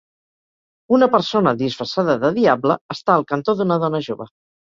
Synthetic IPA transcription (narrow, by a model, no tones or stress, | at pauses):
unəpəɾsonəðisfɾəsaðəðəðiabləːst̪aəlˠkənt̪oðunəðɔnəʒoβə